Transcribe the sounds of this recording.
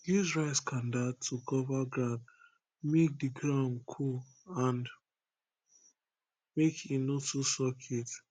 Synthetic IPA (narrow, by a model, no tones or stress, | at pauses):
jizɹaɪskʰãndatʰːukɔvaɡɹãʊ̃nd | mek̚diɡɹãʊ̃nkʰu | ãnd | mekĩnotusɔkʰet